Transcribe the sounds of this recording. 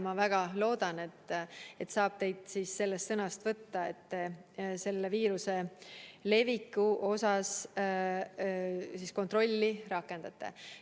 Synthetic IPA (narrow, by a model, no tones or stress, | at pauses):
mɑvæɡ̥ɑlo̞ːd̪̥ɑne̞t̪ːˑe̞t̪sɑːb̥̚t̪e̞jd̪̥siːsse̞lːest̪sɤnɑst̪vɤt̪ːɑe̞t̪ːe̞se̞lːe̞viːɾuse̞le̞vikːˑuʔo̞sɑs | sisko̞nt̪ro̞lʲːirɑkːˑe̞nd̪̥ɑt̪ːˑe̞̰